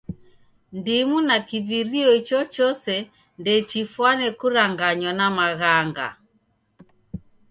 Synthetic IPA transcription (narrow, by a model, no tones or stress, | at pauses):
ndimunakiviɾiɔit͡ʃɔt͡ʃɔsɛ | ndɛt͡ʃifwanɛkuɾaŋɡaɲanamaɣaŋɡa̰